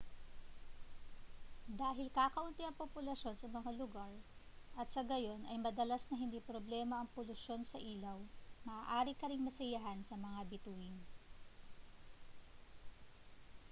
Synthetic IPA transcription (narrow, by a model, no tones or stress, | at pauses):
d̪aːɦɪlkaːkɐʔʊnt̪iɐŋpopʊlɐʃo̞nsɐmɐŋalʊɡaɹ | ʔɐt̪̚sɐɡɐjo̞nʔɐjmɐd̪ɐlasnɐɦɪnd̪ipɾoblɛːmɐɐŋpʊlʊʃo̞nsɐʔiːlɐwmɐʔaːʔaːɾɪkɐɾɪŋmɐsɐjɐɦansɐmɐŋabɪt̪uːɪn